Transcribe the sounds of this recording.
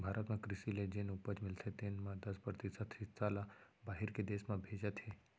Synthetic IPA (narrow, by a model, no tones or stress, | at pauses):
bʱaːɾət̪mẽkɾɪsiled͡ʒɪnʊpəd͡ʒmɪlt̪ʰet̪ɪnmãd̪ɐspɾət̪isət̪ʰɪsaːla | baːɦɪɾked̪eːsmãbʱeːd͡ʒət̪ɦɛː